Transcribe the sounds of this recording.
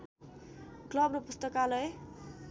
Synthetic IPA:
klʌbnopust̪ʌkalʌe

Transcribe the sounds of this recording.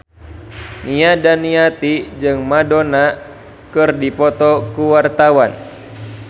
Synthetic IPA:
niadaniat̪id͡ʒɨŋmadona | kɨrdipɔt̪ɔkuwart̪awan

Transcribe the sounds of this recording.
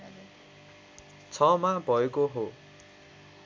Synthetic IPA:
t͡sʰʌmabʱʌekoɦo

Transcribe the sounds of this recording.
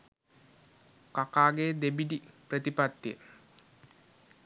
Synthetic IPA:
kakaːɡed̪ebidiprət̪ipat̪ːjə

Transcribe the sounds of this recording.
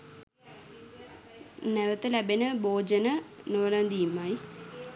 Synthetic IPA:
neʋɐt̪ːɨlɐbenɐboːd͡ʑɐnɐnoːlaːnd̪iːmːaːi

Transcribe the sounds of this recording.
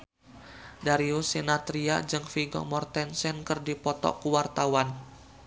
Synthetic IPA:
daɾiusinat̪ɾia̰d͡ʒɨŋfiɡɔ̰mɔrt̪ɛnsɛnkərdipɔt̪ɔ̰kuwart̪awan

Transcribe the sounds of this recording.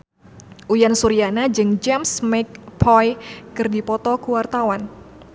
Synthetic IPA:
ʔujansuɾianad͡ʒɨŋd͡ʒɛmsmɛk̚pʰɔjkɨrdipɔt̪ɔkuwart̪awan

